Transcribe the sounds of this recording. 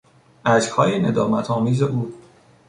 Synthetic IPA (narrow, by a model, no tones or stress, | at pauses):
ʔæd͡ʒhɒːjene̞d̪ɒːmæt̪ʰɒːmiːzeʔuː